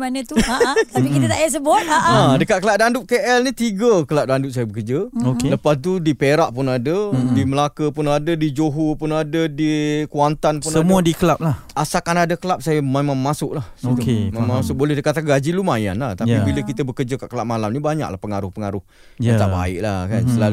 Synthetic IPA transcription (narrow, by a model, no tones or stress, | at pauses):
manət̪ut̪apikiət̪aʔjas̬əbʊt̪aadəkat̪̚kəlaʔ̚dandʊʔ̚keʔɛlnit̪iɡəkəlaʔ̚dandʊʔ̪̚sajəbəkəd͡ʒəokeləpast̪udipeɾaʔpʊnadədiməlakəpʊnadədid͡ʒoɦupʊnadədikuant̪anpʊnaəmuadikəlap̚la | asakanadakəlap̚sajəmemamːasʊkʔlahsət̪kemamasʊk̚bolɛhdəkat̪aɡad͡ʒilumaja̰nlaht̪aibiləkit̪əbəkəd͡ʒəkaʔkəlap̚malamnibaɲa̰kla̰hpəŋaɾʊhpəŋaɾʊh | jat̪aʔba̰ɪ̰ʔlahkansəlal